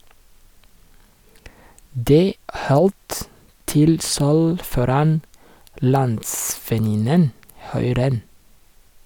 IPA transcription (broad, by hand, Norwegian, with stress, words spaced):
ˈdeː ˈʔhɔlt ˈtɪl ˈsœl ˈfɔɾɑn ˈlɑntsfɛˌnɪnən ˈhʉɪ ˈɾɛn